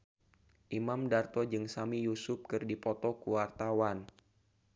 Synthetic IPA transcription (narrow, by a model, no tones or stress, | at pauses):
ʔimamdart̪ɔd͡ʒɨŋsamijusʊp̚kɨrdipɔt̪ɔkuwart̪awan